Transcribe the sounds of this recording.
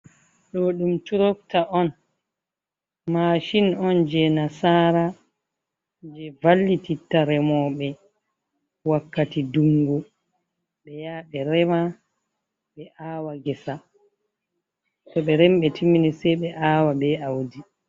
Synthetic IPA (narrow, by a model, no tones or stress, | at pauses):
ɗɔɗumtuɾɔktaʔɔn | maːʃinɔnd͡ʒɛnasaːɾa | d͡ʒɛvalːititːaɾɛmɔːɓɛ | wakːatiduŋɡu | ɓɛjaːɓɛɾɛma | ɓɛʔaːwaɡɛsa | tɔɓɛɾɛmɓɛtʰiminisɛɓɛʔaːwaɓɛawdi